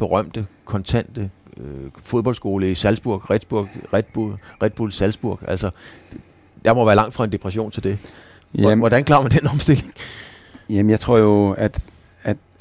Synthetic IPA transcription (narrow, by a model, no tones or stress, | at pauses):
b̥e̝ʁɶm̰d̥əkʰɒ̽nt͡sʰæn̰d̥ə | fo̝ðˠbɒ̽l̰dsɡ̥o̝ːləisælsb̥uɐ̰ɡ̥ʁɛd̥b̥uɐ̰ɡ̥ʁɛd̥̚b̥uʁɛd̥̚b̥ulsælsb̥uɐ̰ɡ̥æl̰sɒ | d̥ɑ̈mɒʋæːɐlɑ̈ŋ̰d̥fʁɑ̈e̝nd̥e̝pʰʁɛɕo̝̰ːnt͡sʰeld̥e̝ | ʋɒd̥ænkʰlɑ̈ːɐmænd̥enɒ̽msd̥e̝le̝ŋ | jæmnjɑ̈ɪt͡sʰʁo̝ɐ̰joæd̥ | æd̥